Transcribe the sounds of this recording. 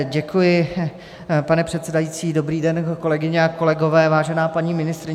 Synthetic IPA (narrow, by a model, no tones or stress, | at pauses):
ɟɛkujɪ | panɛpr̝̥ɛt̪sɛdajiːt͡siːdo̞bɾiːdɛnko̞lɛɡɪɲɛako̞lɛɡo̞vɛːvaːʒɛnaːpaɲiːmɪnɪst̪ɾɪ